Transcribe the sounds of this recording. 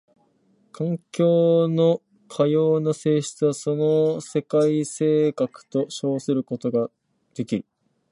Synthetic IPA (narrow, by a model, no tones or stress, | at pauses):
kʰãŋkʲo̞ːno̞ | kʰajo̞ːnase̞ːɕi̥t͡sɨβaso̞no̞se̞kaise̞ːkakɯ̟̥t̪o̞ɕo̞ːsɨɾɯ̟ko̞t̪o̞ɡa | d̪̥e̞kʲiɾ